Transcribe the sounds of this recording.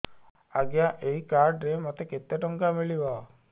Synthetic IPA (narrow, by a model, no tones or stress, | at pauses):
aɡjaʔeɦikaɾɖɾemɔt̪eket̪eʈɔŋkamiɭibɔ